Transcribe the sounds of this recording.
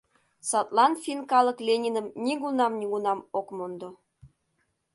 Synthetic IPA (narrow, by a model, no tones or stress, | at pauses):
sɑt̪lˠɑnfʲinkɑlɤklʲenʲinə̆mnʲiɣunɑmnʲiɣunɑmokmond̪o